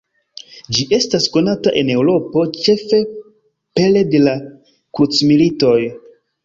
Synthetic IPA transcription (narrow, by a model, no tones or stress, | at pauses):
d͡ʒiʔe̞stasko̞nataʔe̞ne̞wɾo̞po̞t͡ʃe̞fe̞ | pe̞le̞de̞la | kut͡smilito̞j